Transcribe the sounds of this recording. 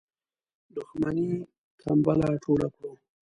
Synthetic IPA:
d̪ʊxmani | k̪ʰambalaʈ͡ʂʰoɽako

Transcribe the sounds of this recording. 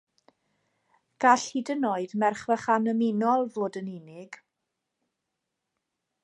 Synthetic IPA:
ɡ̥aɬidənoːɨdmɛrχvaχanəmɪnɔlˠvoːdənɪnɪɡ̥

